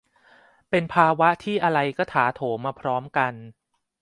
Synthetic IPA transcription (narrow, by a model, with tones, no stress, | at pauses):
pe˧npʰaː˧wa˦˥ʔt̪ʰiː˥˩ʔa˧ɾa˧jkɔː˥˩t̪ʰaː˩˦t̪ʰoː˩˦maː˧pʰɾɔː˦˥mka˧n